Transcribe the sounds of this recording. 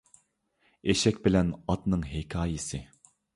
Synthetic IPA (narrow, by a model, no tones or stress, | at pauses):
eʃɛkʲbɪlɛnɑt̪nɨŋɦekʲʰɑːjɪsɪ